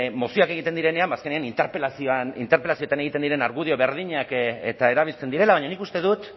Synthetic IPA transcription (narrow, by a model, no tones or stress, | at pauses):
mo̞sioake̞ɣ̞it̪e̞nd̪iɾe̞ne̞ambaːskeneanint̪eɾpelasioanint̪eɾpe̞lasio̞t̪ane̞ɣit̪e̞nd̪iɾe̞naɾɣuðio̞βe̞ɾðiɲakḛt̪ae̞ɾaβ̞ilt͡se̞nd̪iɾe̞laβaɲanikust̪e̞ðut̪